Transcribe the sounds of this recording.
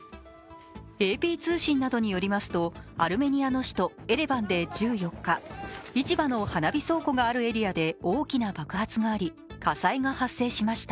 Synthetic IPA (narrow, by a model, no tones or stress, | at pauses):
e̞ːpʲiːt͡sɨːɕĩnːad̪o̞ɲ̟ijo̞ɾʲimasɨ̥t̪o̞aɾɯ̟me̞ɲ̟iano̞ɕi̥t̪o̞e̞ɾe̞bãnd̪e̞d͡ʑɨːjo̞kːait͡ɕibano̞hanabʲiso̞ːko̞ɡaːɾɯ̟e̞ɾʲiad̪e̞oːkʲinabakɯ̟hat͡sɨɡaːɾʲi | kasaiŋahasːe̞ːɕimaɕi̥t̪a